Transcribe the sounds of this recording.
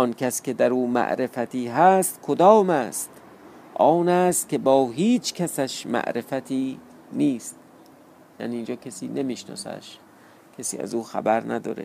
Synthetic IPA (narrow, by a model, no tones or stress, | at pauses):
ɒnkʰæskʲʰe̞d̪æɾuːmæ̰ʔɾe̞fæt̪ʰiːɦæst̪kʰod̪ɒːmæːst̪ | ʔɒːnæːst̪̚kʲebɒːɦiːt͡ʃʰkʰæsæʃmæ̰ʔɾefæt̪ʰiː | niːst̪̚ | ja̰ːniːnd͡ʒɒːkʰesḭːne̞miːʃnɒ̰ːsæ̰ʃ | kʲʰesḭːæ̰zuːxæ̰bæɾnæd̪ɒ̰ːɾḛ